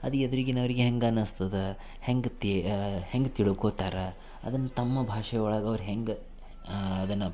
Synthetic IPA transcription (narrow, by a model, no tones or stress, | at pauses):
ɐd̪ied̪ɐɾiɡinɐʋɐɾiɡeɦeŋɡɐnɐst̪ɐd̪ɐ | heŋɡt̪iheŋɡt̪iɭukoːt̪aːɾɐ | ɐ̰d̪ɐnːɐt̪ɐmːɐbʱaːʂɐjɔɭaːɡɐʋɐɾuɦeŋɡ | ɐd̪ɐnːɐ